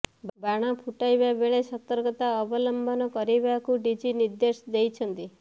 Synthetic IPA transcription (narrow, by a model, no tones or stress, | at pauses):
bbaɽ̃apʰuʈajbabeɭesɔt̪ɔɾɡɔt̪aɔbɔlɔmbʱɔnɔkɔɾibakuɖid͡ʒiniɾd̪esd̪ejt͡ʃʰɔnt̪i